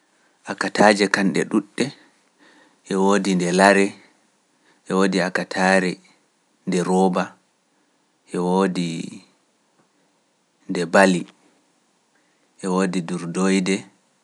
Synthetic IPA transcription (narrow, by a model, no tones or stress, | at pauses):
ʔakatʰaːd͡ʒɛkanɗɛ̰ɗuɗːɛ | ʔɛwoːdindɛlaɾɛ | ʔɛwoːdiakatʰaːɾɛ | ndɛɾɔːba | ʔɛwoːdi | ndɛbali | ʔɛwoːdiduɾdojdɛ